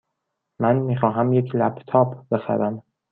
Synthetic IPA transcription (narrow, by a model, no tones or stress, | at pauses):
mænmiːxɒːɦæmjecʰlæbt̪ʰɒːpʰbe̞xæ̰ɾæm